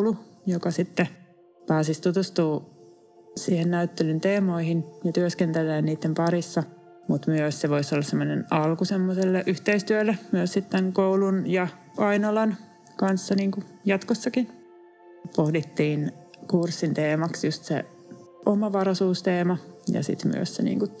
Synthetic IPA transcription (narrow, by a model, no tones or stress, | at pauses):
lujokɑsit̪ːe | pæːsist̪ut̪ust̪uː | siːhennæyt̪ːelynt̪eːmoihinjɑt̪yøskent̪elːˑeːnniːt̪ːempɑɾisːɑ | mut̪myøsseʋoisolːɑsemːonenɑlkusemːoselːeʔyht̪eist̪yølːæmyøssit̪t̪æŋkoulunjɑ | ɑinolɑn | kɑnsːɑniːŋku | jɑt̪kosːɑkin | pohdit̪ːiːnkursːint̪eːmɑksjust̪sḛ | ʔomɑʋɑrɑsuːst̪eːmɑjɑ̰sḭt̪my̰ø̰ssḛnḭːŋku